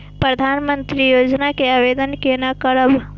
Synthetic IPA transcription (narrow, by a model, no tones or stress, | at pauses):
pɾəd̪ʱanmənt̪ɾijod͡ʒnakeaʋed̪ənkenakəɾəb